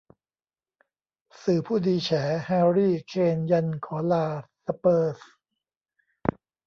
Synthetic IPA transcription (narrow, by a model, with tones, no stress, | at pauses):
sɯː˨˩pʰuː˥˩diː˧t͡ɕʰɛː˩˦hɛː˧ɾiː˥˩kʰeː˧nja˧nkʰɔː˩˦laː˧sa˧pɤː˥˩s